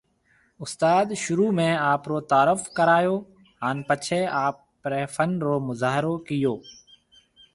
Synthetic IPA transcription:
ʊst̪aːd̪ʃʊɾuːmẽːaːpɾoːt̪aːɾəfkəɾaːjoː | ɦaːnpət͡ʃʰeːaːp | ɾeːfənɾoːmʊzaːɦɪɾoːkɪjoː

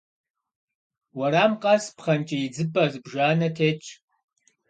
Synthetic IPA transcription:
wɐɾaːmqʼɐspχɐnt͡ʃʼɐjid͡zɨpʼɐzɨbʒaːnɐtʰeːt͡ʃʼ

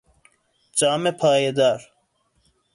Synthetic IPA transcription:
t͡ɕaːmepʰaːjed̪aːɾ

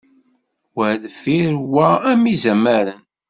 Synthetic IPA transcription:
wəðəfiɾwææmizæmæɾən

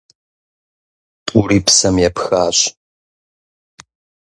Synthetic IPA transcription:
pʼuɾiːpsɐmjɛpxaːɕʼ

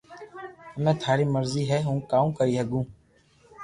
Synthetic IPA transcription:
əmẽːt̪ʰaːɾiːməɾziːɦɛːɦũːkaːũːkəɾiːɦəɡũː

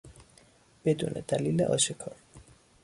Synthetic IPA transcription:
b̥ed̪ṵːnʔḛd̪æliːlḛʔɒ̰ːʃekʰɒːɾ

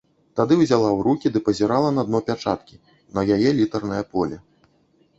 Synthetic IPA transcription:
t̪ad̪ɨwzʲalˠawɾukʲid̪ɨpɐzʲɛɾalˠɐnɐd̪̚nɔpʲat͡ʂat̪kʲi | nɐjajɛlʲit̪ɐrnɐjɐpɔlʲɛ

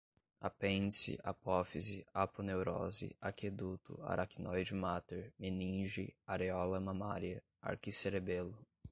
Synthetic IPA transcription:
a̰pẽnsḭʔa̰pɔfiziapʊnewɾɔzḭaked̪ut̪ʊ̰a̰ɾʔakinɔjd͡ʒimat̪eɾmenĩʒiaɾeɔlɐmãmaɾiɐ | a̰ɾkiseɾebelʊ

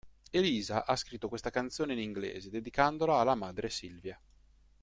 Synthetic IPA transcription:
eliːzaʔaskɾit̪ːokwest̪akant̪sjoːneiniŋɡlḛːzed̪ed̪ikand̪olaːlːamaːd̪ɾesilvja

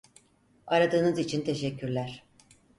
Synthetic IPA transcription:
aɾad̪ɯːnɯzit͡ʃʰint̪ʰe̞ʃɛcʰːyɾlʲæɾ̥

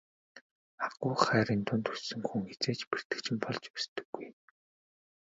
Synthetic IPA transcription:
aqʊːχæːɾiːnt̪ʰʊnt̪usɵ̆ŋxuŋxet͡seːt͡ɕper̥t̪ɘ̆kt͡ɕʰɪ̆mpɔɮt͡ɕpæst̪ɘ̆ɡːuj

